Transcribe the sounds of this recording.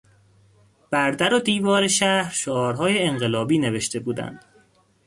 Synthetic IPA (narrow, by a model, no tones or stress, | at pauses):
b̥æɾd̪æɾod̪iːvɒːɾeʃæhɾʃoɒːɾɦɒːjeːŋɢe̞lɒːbiːne̞ve̞ʃt̪e̞buːd̪æ̰nd̪̥